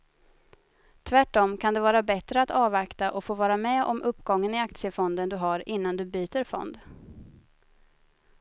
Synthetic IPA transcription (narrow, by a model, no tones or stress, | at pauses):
t̪ʰvæʈːɔmkʰand̪ɛvɑːɾabɛt̪ɾəat̪ɑːvakt̪aʔɔfoːvɑːɾamɛʔɔ̰mʔɵpːɡɔŋːənɪak̚t̪sɪəfɔnd̪ənd̪ɵɦaɾɪnːand̪ɵbyːt̪əɾfɔ̰nd̪